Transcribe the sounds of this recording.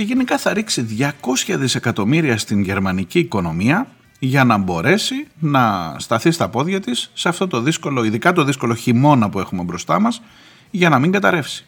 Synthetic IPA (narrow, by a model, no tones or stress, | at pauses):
ceʝe̞nikɐθɐɾiksiðʝɐko̞sçɐðise̞kɐt̪o̞miɾiɐst̪iɲʝe̞ɾmɐniciːko̞no̞miɐ | ʝɐnɐbo̞ɾe̞sinɐst̪ɐθist̪ɐpo̞ðʝɐt̪isːeɐft̪o̞t̪o̞ðisko̞lo̞iðikɐt̪o̞ðisko̞lo̞çimo̞nɐpue̞xume̞bɾo̞st̪ɐmɐs | ʝɐnɐmiŋɡɐt̪ɐɾe̞fsi̥